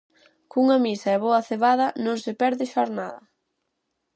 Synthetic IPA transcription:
kuŋɐmisɐɛβoɐθeβaðɐnõŋsɪpɛɾðɪʃoɾnaðɐ

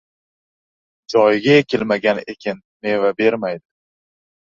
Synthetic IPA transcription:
d͡ʒɒjɡʲaekʲʰɪlmaɡʲanḛkʲʰɪn | me̞vabe̞ɾmajd̪ɪ

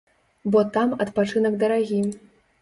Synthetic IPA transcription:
bɔt̪amɐt̪pat͡ʂɨnɐɡd̪ɐɾaɣʲi

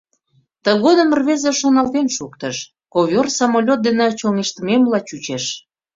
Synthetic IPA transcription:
t̪əɣod̪ə̆mərβezĕʃonɑlt̪enʃukt̪ə̆ʃ | kovʲorsɑmolʲot̪̚d̪enet͡ɕoŋeʃt̪əmemlɑt͡ɕut͡ɕeʃ

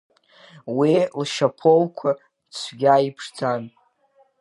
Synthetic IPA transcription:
wilʃapʰolkʷʰa | t͡sʷʰɡʲaipʰʂd͡zan

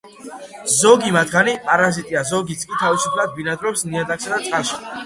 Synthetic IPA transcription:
zɔɡimat̪ʰχanipʼaɾazit̪ʼiazɔɡit̪sʼkʼit̪ʰavisupʰlad̪̚binad̪ɾɔpsniad̪aksad̪at̪sʼqʼaʃi̥

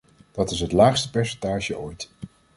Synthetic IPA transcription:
d̥ɑtɪsɦətlaːχstə̥pɛɹsɛntaːʒəʔojt

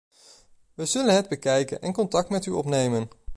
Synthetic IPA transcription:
ʋəzɵlənɦɛd̚bəkɛjkə̰nʔɛ̰nkɔntɑk̚tmɛtyɔpnejmən

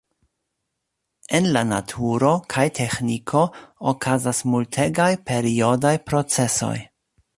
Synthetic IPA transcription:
enlana̰tʰuɾo̞kʰajtʰe̞xnikʰo̞okʰazasmultʰe̞ɡajpe̞ɾio̞dajpɾo̞t͡se̞so̞̰j

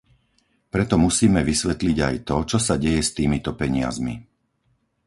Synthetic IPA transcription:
pɾɛt̪ɔmusiːmɛʋisʋɛt̪liɟa̰jt̪ɔt͡ʃɔsaɟɛjɛst̪iːmit̪ɔpɛɲɪa̰zmḭ

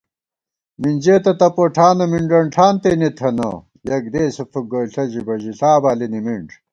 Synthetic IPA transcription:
mind͡ʑeːt̪ɐt̪ɐpoʈʰaːnɐmiɳɖɐɳʈʰaːnt̪enet̪ʰɐnɐ̰ | jɐɡ̚d̪eːsɐfuɡoɬɐʑibɐʑiɬaːbaːlinimiɳʈ͡ʂ

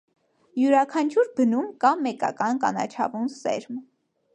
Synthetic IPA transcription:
juɾɑkʰɑnt͡ʃʰuɾbənumkɑmɛkɑ̰kɑnkɑnɑ̰t͡ʃʰɑvunsɛ̰ɾm

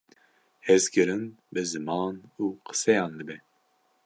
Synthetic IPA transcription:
hɛzkɨɾɨnbɨzɨmɑːnuːqʰɨ̥sɛjɑːnd̪ɨbɛ

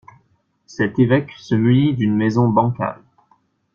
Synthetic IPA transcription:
sɛt̪evɛksəmynid̪ynmɛzɔ̃bɑ̃ka̰ʁ

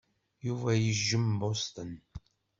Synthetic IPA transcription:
juvæjəʒːəmbost̪ən

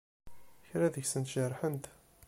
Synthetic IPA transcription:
çɾæðəçsənt̪ʒərˤːħənt̪

